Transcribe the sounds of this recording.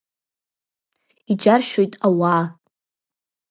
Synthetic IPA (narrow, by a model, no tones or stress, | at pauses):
id͡ʒarʃojtʼawa